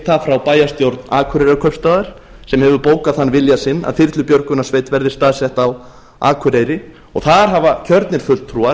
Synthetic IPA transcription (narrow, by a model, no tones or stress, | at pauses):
θafɾawpaːjast̪jowɾt̪naːkʰʏɾeɾakʰœpst̪aðaɾ̥ | sɛmhɛvʏpoːwkaðhanːvɪljasɪnːa̰ðθɪɾt̪lʏpjœɾkʏnḁsveːjt̪vɛɾðɪ̥st̪aːðsɛht̪aw | a̰ːkʰʏɾejɾɪ | ɔɣθaðɾ̥ɦavacʰœɾt̪nɪɾ̥fʏl̥t̪ʰːɾua